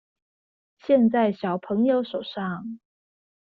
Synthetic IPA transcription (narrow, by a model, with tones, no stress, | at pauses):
ɕjɛ˥˧nt͡sa˥˩ɪɕjɑ˨˩ʊpʰɤ˧˥ŋjo˧˥ʊʂo˨˩ʊʂɑ˥˩ŋ